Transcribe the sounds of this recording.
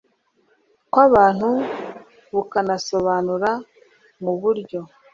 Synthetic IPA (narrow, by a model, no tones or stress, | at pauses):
kwaβaːn̥hu | βukanaso̞βanuɾa | muβuɾɟo̞